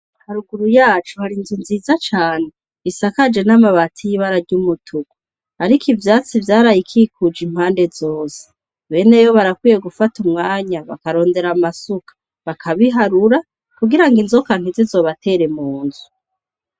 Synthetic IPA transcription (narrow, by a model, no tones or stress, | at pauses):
haɾuɡuɾujaːt͡ʃuhaɾinzunziːzat͡ʃaːne̞ | βisakad͡ʒe̞namaβatʰijiβaɾaɾɟuːmutʰuɡu | aɾikivjaːt͡sivjaːɾajikʰikud͡ʒim̥haːnde̞zo̞ːse̥ | βe̞ne̞joβaɾakwiːje̞ɡufatumŋaːɲaβakaɾo̞ːnde̞ɾamasukḁ | βakʰaβiɦaɾuɾa | kuɡiɾaŋɡinzokan̥uzizo̞βatʰe̞ɾe̞muːnzu